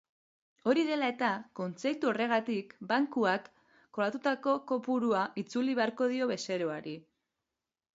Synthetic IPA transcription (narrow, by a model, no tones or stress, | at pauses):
o̞ɾiðe̞lae̞t̪ako̞nt͡se̞kt̪uo̞re̞ɣ̞at̪ikbaŋkuakː | o̞lat̪ut̪ako̞ko̞puɾuaʔit͡suliβe̞aɾko̞ð̞io̞βe̞se̞ɾo̞aɾi